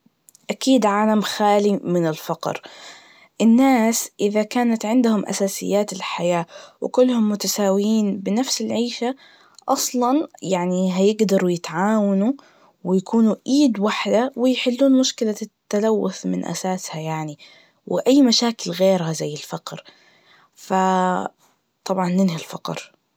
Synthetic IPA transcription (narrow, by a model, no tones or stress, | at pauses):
ʔakiːd̪ʕaːlamxaːlimɪnɪlfɑqɾ | ʔɪnːaːsʔɪðakaːnat̪ʕɪnd̪hʊmʔa̰saːsɪ̰jːaːt̪ɪlħajaːwɪ̰kʊlːhʊmːʊt̪asaːwjiːnbɪnafsɪlʕiːʃa | ʔɑsˤlɑnjaʕniɦajɪɡd̪ɑɾˤujɪt̪ʕaːwanu | wɪjakʰuːnuʔiːd̪waħd̪awɪjħɪlːuːnmʊʃkɪlat̪ːalawːʊθmɪnʔa̰saːshajaʕni | wɪʔajːmaʃaːkɪlɣeːɾhazajːɪlfɑqɾ | fa | t̪ˤɑbʕɑnːɪnɦalfɑqɾ